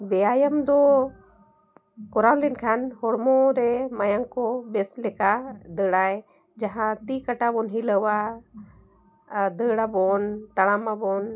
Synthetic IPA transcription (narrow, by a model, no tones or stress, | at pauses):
bɛaːjəmd̪o | kɔɾawlinkʰanhɔɽmoɾeməjaŋkobeslɛkad̪əɽaj | d͡ʒɐɦãt̪ikəʈabonɦiləwa | d̪əɽabont̪ɐɽamabon